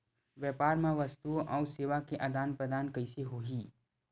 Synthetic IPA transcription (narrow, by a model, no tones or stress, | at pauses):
ʋjɛːpaːɾmãʋɐst̪uõʔɔːseːʋakeʔad̪aːnpɾəd̪aːnkɐiseɦoːɦiː